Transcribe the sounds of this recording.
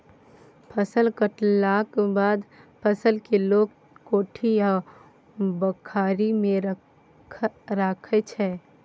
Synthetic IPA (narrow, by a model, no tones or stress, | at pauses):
pʰəsəlkəʈlaːkbaːd̪pʰəsəlkeloːɡ | koːʈʰija | bəkʰaːɾimẽ | ɾaːkʰet͡ʃʰɛː